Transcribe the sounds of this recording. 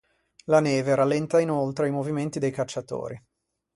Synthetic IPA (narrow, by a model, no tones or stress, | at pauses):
lanɛːveɾalːɛnt̪ainolt̪ɾeimoviment̪id̪ejkat͡ʃːat̪o̰ːɾi